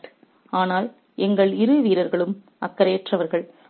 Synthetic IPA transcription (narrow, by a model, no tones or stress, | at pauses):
aːnaːl | ʔɛŋɡɐɭɪɾɯʋiːɾɐɾɣɐɭɯm | ɐ̰kːɐɾeːʈrɐʋɐɾɣɐɭ